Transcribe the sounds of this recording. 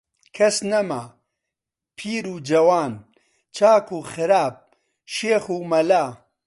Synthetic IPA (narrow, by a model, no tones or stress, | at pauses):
kʰɐsnɐma | pʰiːɾuːd͡ʒɐwaːn | t͡ʃʰaːkuːxɨɾaːb̚ | ʃeːxuːmɐlaː